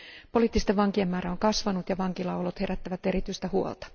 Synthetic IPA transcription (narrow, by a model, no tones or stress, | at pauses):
po̞liːt̪ːist̪eʋʋɑŋkiemːæːɾæoŋkɑsʋɑnut̪jɑʋɑŋkilɑwlot̪he̞ɾæt̪ːæʋæt̪e̞ɾit̪yist̪æhuo̰lt̪ɑ̥